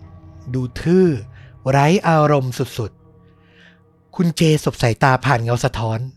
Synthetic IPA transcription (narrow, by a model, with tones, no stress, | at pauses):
duː˧t̪ʰɯː˥˩ɾa˦˥jʔaː˧ɾo˧msu˨˩t̪̚su˨˩t̪̚ | kʰu˧nt͡ɕeː˧so˨˩p̚sa˨˩˦jt̪aː˧pʰaː˨˩nŋa˧wsa˧t̪ʰɔː˦˥n